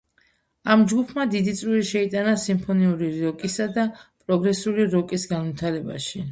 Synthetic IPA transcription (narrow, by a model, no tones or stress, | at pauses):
amd͡ʒɡupʰmad̪id̪it̪sʼwiɾiʃɛit̪ʼanasimpʰɔniuɾiɾɔkʼisad̪apʼɾɔɡɾɛsuliɾɔkʼisɡanmit̪ʰaɾɛba̰ʃi